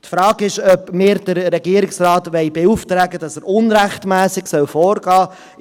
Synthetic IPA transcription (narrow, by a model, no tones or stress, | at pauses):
tfɾɑːɡɪʃœpmɪːɾd̥əɾɾɛɡiəɾɪksrɑːtʋɛɪbeuftɾæːɡəd̥ɑsəɾʊnɾæχtmæːsɪɡsœwfɔːɾɡ̥ɑː